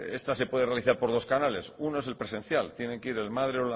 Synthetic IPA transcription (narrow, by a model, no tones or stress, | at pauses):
e̞st̪ase̞pwe̞ð̞e̞realiθaɾpo̞ɾð̞o̞skanale̞suno̞ese̞lpɾe̞sẽ̞n̟θjalt̪je̞ne̞ŋkeiɾe̞lmaðɾeola